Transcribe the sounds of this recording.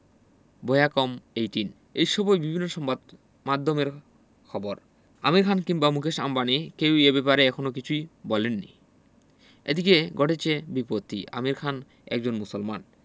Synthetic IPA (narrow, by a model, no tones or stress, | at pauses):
bojakomejʈin | ejʃɔbojbibʱinːoʃɔmbad̪ | mad̪ʱːomeɾ | kʰɔboɾ | a̰miɾkʰankimbamukʰeʃambanikewebepaɾeɛkʰonok̬it͡ɕʰujbɔlenːḭ | ḛd̪ikeɡɔʈet͡ɕʰebipot̪ʰːḭʔa̰miɾkʰan | ɛ̰k̚d͡ʑonmusolman